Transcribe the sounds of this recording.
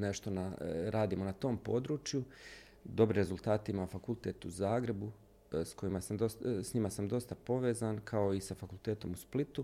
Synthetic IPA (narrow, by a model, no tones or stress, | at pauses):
ne̞ʃt̪o̞naɾaːd̪iːmo̞nat̪o̞ːmpo̞ːd̪ɾuːt͡ʃju | d̪o̞bɾiɾe̞zulˠt̪aːt̪imafakulˠt̪et̪uzaːɡɾe̞bu | sko̞imasamd̪osɲimasamd̪o̞st̪apo̞ʋeːzankʰao̞isafakulˠt̪eːt̪o̞musplit̪u